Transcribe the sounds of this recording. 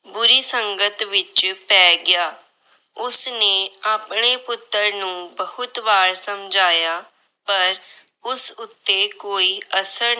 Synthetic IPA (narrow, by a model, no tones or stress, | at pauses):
bʊɾiːsəŋɡət̪ʋɪt͡ʃpɛːɡɪjaː | ʊsnẽːaːpɳeːpʊt̪ːəɾnũːbəhʊt̪ʋaːɾsəmd͡ʒaːjaː | pəɾ | ʊsʊt̪ːeːkoːiːʔəsəɾ